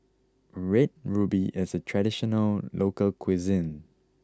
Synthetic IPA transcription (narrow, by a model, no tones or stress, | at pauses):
ɹɛt̚ɹubiʔɪsətʰɹɛdiʃɔnəllʔokəlkʰwizĩn